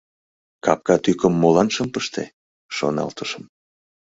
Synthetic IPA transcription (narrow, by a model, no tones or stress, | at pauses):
kɑp̚kɑt̪ykəmːolɑnʃəmpəʃt̪ḛ | ʃo̰nɑ̰lt̪əʃəm